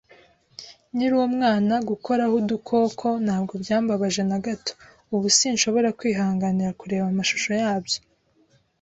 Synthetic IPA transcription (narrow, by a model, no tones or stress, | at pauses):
niɾuwomŋaːnaɡuko̞ɾahudukʰo̞ːkʰo̞naːb̚ɡo̞bjaːmbaβaʒe̞naɡato̥ | uβusinʃo̞βo̞ɾakwiːɦaːŋɡaniɾakuɾe̞ːβamaʃu̥ʃo̞jaːbjo